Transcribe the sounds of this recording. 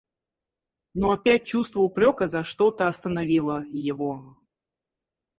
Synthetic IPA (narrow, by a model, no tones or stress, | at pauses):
noɐpʲæt̚ʲt͡ɕust̪vəʊpɾʲokəzɐʂt̪ot̪əɐst̪ənɐvʲilˠəjɪvo